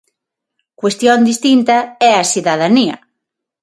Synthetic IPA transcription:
kwest̪jond̪ist̪int̪ɐɛɐsiðaðaniɐ̰

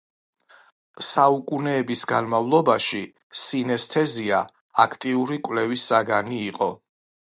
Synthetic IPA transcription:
saukʼunɛːbisɡanmavlˠɔbaʃi | sinɛst̪ʰɛzia | akʰt̪ʼiuɾikʼwlɛvisːaɡaniːqʼɔ

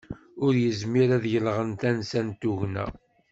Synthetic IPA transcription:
ʊɾjəzmiɾæðjəlʁənt̪ænsænt̪uʝnæ̰

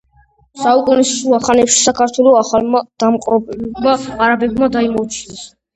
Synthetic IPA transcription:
saukʼunisʃuaχanɛpʃi̥sakʰaɾt̪ʰwɛlɔaχalmad̪̥amqʼɔpʼbmaaɾabɛbmad̪aimɔut͡ʃʰinɛs

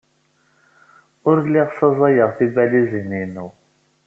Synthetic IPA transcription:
ʊɾliʁsɑzˤɑjəʁθivælizininu

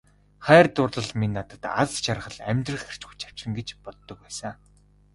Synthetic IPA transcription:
χæːrt̪ʊrɮə̆ɮminːat̪ə̆t̪a̰st͡ɕarχə̆ɮæ̰mʲt̪rə̆χer̥t͡ɕxu̥t͡ɕʰḁw̥t͡ɕrɘ̆ŋɡet͡ɕpɔt̪ːɞ̆k̚pæːsa

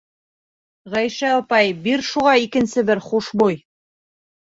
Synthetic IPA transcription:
ʁæjʃæɑpɑjbiɾʃuʁɑikɘ̆nsɘbɘɾχuʃbuj

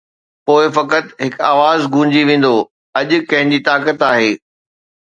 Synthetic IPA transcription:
poːɪfɐkət̪ɦɪkaːʋaːzɡʱũːɲd͡ʑiʋẽːn̆d̪o | ɐʄʊ̆kɐ̃ɦɪ̃ɲd͡ʑiːt̪aːkət̪aːɦeː

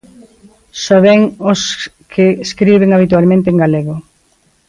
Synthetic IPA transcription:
soβeŋʊskʰeskɾiβ̞eŋaβ̞it̪ualmẽnt̪eŋɡaleɣʊ

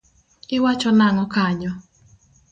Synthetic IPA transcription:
ɪwat͡ʃɔnaŋɔkaɲɔ

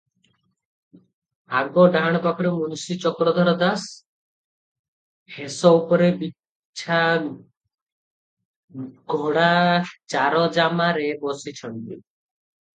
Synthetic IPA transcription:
aɡɔɖaɽ̃ɔkɔkʰɔɾemunusit͡ʃɔkɾɔd̪ʱɔɾɔd̪as | hesɔupɔɾebi | t͡ʃʰa | ɡʱoɽat͡ʃaɾɔd͡ʒamaɾebɔsit͡ʃʰɔɳtḭ

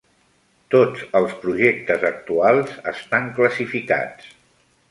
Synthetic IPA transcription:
t̪od͡zəlˠspɾuʒek̚t̪əzək̚t̪ualˠzə̰st̪aŋkləsifika̰t͡s

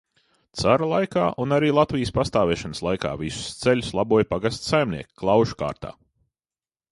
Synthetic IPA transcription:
t̪saɾalˠajka̰ːʔunaɾiːlˠat̪vʲijəspast̪aːvɛʃanslˠajka̰ːvisʊ̥st̪selʲʊslˠabuɔjpaɡast̪sajmniɛkʲi̥klˠawʃu̥ka̰ːɾt̪a̰ː

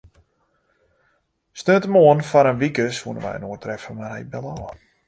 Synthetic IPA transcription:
snøtəmoənfɔɾənʋikəsʋuənə̰ʋɛ̰jə̰noətrɛfənmarhɛjbɛlɔː

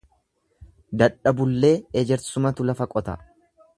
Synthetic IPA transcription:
d̪ɐᶑɐbʊlːe̞ːɛd͡ʒɛɾsʊmɐt̪ʊlɐfɐkʼɔt̪ɐ

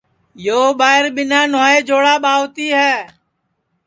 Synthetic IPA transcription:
joːɓaːɪɾɓɪnaːnoːeːd͡ʒoːɽaːɓaːʋt̪iːɦɛː

